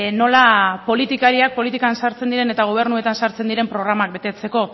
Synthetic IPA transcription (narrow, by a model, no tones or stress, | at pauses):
no̞lapo̞lit̪ikaɾiak̚po̞lit̪ikansaɾt͡se̞nd̪iɾe̞ne̞t̪aɣo̞β̞e̞ɾnue̞t̪ansaɾt͡se̞nd̪iɾe̞mpɾo̞ɣ̞ɾamak̚be̞t̪e̞t͡se̞ko̞